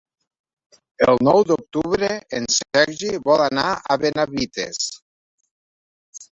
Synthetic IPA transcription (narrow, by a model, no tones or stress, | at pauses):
elˠnɔwd̪ok̚t̪uβɾeensɛɾʒiβɔlanaaβenaβit̪ḛs